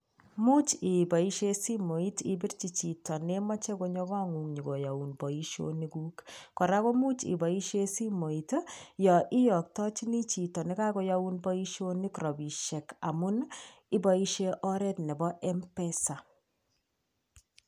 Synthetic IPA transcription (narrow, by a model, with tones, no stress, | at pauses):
mu˦t͡ʃi˨bɔ˨i˦ʃe˦si˦mo˨i˦ti˦bi˦rt͡ʃi˨t͡ʃi˨tɔ˨nɛ˦mɔ˦t͡ʃɛ˦ko˦ɲɔ˦ka˦ŋu˨ŋɲi˨ɡo˨ja˨u˨nbɔ˨iʃo̰˦niɡu˦kkɔ˨ɾa˦ko˦mu˦t͡ʃḭ˨bɔ˨i˦ʃe˦si˦mo˨i˨tjɔ˨ʔɪ˦jɔ˨k̚tɔ˦t͡ʃi˦ni˦t͡ʃi˨tɔ˨nɛ˦ka˦ko˦ja˦u˦nbɔ˦i˦ʃo˦ni˦kɾɔ˨bi˨ʃɛ˨ka˨mu˦ni˦bɔ˦i˦ʃe˦ʔɔ˦ɾɛ˦tnɛ˨bɔ˦ʔɛ˦mpɛ˦sa˨